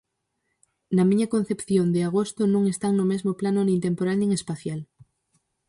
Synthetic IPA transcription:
namĩɲakon̟θepθjond̪eaɣ̞ost̪onũŋest̪aŋnomezmoplanonẽnt̪empoɾanẽŋespaθjal

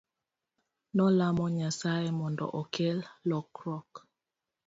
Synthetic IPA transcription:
nɔlamɔɲasajemɔndɔ̰ʔɔkɛlːɔkɾɔk

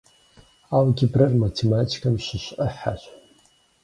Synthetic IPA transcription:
awɡʲibrɨrmatʰematʰi̥kʰamʃʷɨʃʷəħːa̰ʃʷ

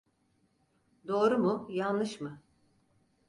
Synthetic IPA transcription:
d̪o̞ːɾumujanːɯʃmɯ

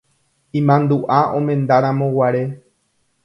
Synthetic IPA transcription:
ĩmãnd̪uʔaʔõ̞mẽ̞nd̪aɾãmõ̞waɾe̞

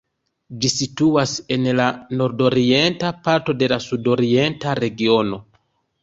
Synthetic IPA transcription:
d͡ʒisituase̞nlano̞ɾdo̞ɾie̞ntapaɾto̞de̞lasudo̞ɾie̞ntaɾe̞ɡio̞no̞

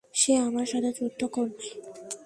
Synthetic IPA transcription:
ʃeamaɾʃat̪ʰet͡ɕut̪ʰːokɔɾnaj

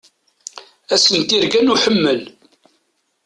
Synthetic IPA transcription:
æsənt̪iɾɡænuħəmːəl

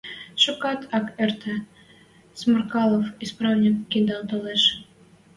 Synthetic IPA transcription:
ʃukɑt̪ʰɑkert̪ʰə̆ | smərkɑlˠofisprɑvnʲikːind̪ɑlˠt̪oleʃ

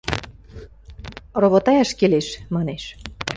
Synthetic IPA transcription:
roβot̪ɑjɑʃkeleʃmɑneʃ

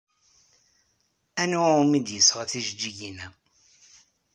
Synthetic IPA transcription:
ænuaumid̪jəsːʁaθiʒd͡ʒːiʝinæ

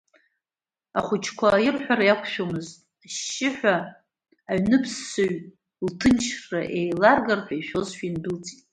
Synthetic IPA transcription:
aχʷʊt͡ʃʰkʷʰajɪrħᶣʷaɾajakʷʰʃᶣomɨztʼ | aʃːɪħᶣʷaː | ɥnɨpʰsːoɥ | ltʰɨnt͡ʃʰrraʔejlarɡarfʷʰajʃᶣo̞zʃᶣinbɨlt͡sʼitʼ

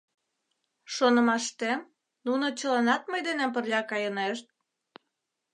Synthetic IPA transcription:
ʃonə̆mɑʃt̪em | nunot͡ɕəlɑnɑt̪̚məjd̪enemp̬ərlʲɑkɑjəneʃt̪̚

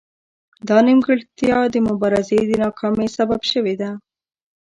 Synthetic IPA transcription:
d̪ɑnɪmɡəɭt̪ijɑd̪əmʊbɑɾazed̪ənɑkʰɑmesababʃəwed̪a

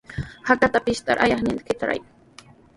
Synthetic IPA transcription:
hakat̪apɪʃt̪a̰ɾʔajaχɲɪnd̪kɪt̪aɾa̰j

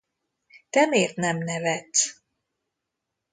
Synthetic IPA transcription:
t̪ɛmeːrt̪nɛmnɛvɛt̪s

